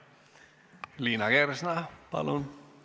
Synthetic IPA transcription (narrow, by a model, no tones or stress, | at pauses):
linaɡɛɾsnapa̰lon